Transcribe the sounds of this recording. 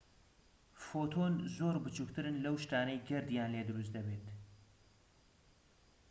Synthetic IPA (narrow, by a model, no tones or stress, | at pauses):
fot̪ʰonzoːɾbɨt͡ʃukt̪ɨɾɨnlɐwʃt̪aːnɐjɡɐɾd̪ijaːnleːd̪ɨɾus̬d̪ɐbeːt̪